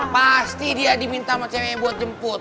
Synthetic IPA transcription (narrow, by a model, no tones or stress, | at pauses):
past̪idiadimint̪amat͡ʃamabuat̪̚d͡ʒəmpʊt̪